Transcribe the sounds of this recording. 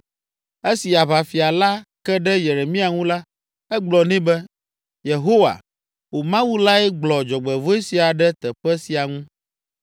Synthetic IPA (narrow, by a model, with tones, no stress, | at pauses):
e˦si˨a˨βa˨fi˨a˨la˦kɛ˦ɖɛ˦je˨ɾe˨mĩ˦a˨ŋũ˦la˦ | ɛ˦ɡ͡blɔ˨nĩ˦bɛ˦ | je˨ɦo˦wa̰˨ | wo˨mã˦wu˦la˦ɛ˦ɡ͡blɔ˨d͡ʒɔ˨ɡ͡bɛ˨vo˦e˦si˨a˨ɖɛ˦t̪ɛ˨ɸɛ˦si˨a˨ŋũ˦